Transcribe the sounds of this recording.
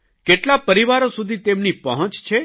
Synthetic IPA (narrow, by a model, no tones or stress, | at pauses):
keʈlapəɾiʋaɾosud̪ʱit̪emnipəɦə̃t͡ʃt͡ʃʰe